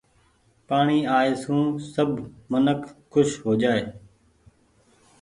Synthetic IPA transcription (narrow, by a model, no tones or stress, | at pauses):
paːɳiːaːeːsũːsəbʱmənəkkːʊʃɦoːd͡ʒaːeː